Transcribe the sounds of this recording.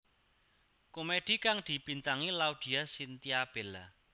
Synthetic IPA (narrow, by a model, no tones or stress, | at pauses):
komed̪̥i̤kaŋd̪̥i̤b̥int̪aŋilaud̪̥i̤asint̪iab̥ɛla